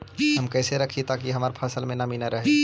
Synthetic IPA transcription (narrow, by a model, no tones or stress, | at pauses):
ɦɐmkɛːseɾɐkʰit̪aːkiɦɐmaːɾpʰaːsəlmẽnaminaɾɐɦe